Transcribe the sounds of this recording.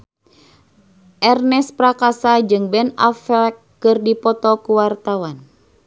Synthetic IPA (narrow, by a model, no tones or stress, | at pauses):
ʔɛrnɛspɾakasad͡ʒɨŋbɛnafɛkːɨrdipɔt̪ɔkuwart̪awan